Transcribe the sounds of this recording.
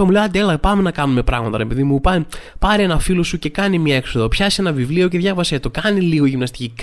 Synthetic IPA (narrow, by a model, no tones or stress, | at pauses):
ɐmuleɐt̪elɐpɐme̞nɐkɐnume̞pɾɐ̰ɣmɐt̪ɐ̰ɾepiðimupɐpɐɾie̞nɐfilo̞suce̞kɐnimɲɐe̞ksoðo̞pçɐsie̞nɐvivlio̞ce̞ðʝɐvɐset̪okɐniliɣo̞ʝimnɐst̪i̥cik